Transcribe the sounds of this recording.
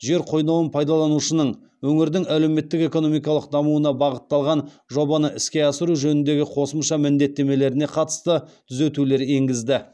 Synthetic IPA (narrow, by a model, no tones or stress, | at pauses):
ʒe̞ɾqʰo̞jnɑwənpʰɑjd̪ɑlˠɑnuʃənəɴ | wɵŋɪɾd̪ɪŋæle̞me̞t̪ːɪke̞ko̞no̞mijkɑlˠəq̚d̪ɑmuwənɑbɑʁət̪ːɑlˠʁɑn | ʒo̞bɑnəʔɪskʲe̞ɑsəɾuʒɵnɪnd̪e̞ɡʲɪqʰo̞səmʃɑmɪnd̪e̞t̪ːe̞me̞le̞ɾɪne̞qʰɑt̪ə̥st̪ət̪ʰʏze̞t̪ule̞ɾe̞ŋɡʲɪzd̪ɪ